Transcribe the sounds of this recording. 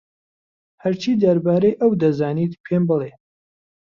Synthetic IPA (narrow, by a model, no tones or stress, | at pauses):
hɐɾt͡ʃʰiːd̪ɐɾbaːɾejʔɐwd̪ɐzaːniːt̪pʰembɨle